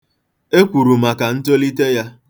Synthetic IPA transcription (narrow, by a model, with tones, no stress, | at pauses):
e˦kʷu˨ɾu˨ma˨ka˨n̩˦to˦li˦te˦ja˦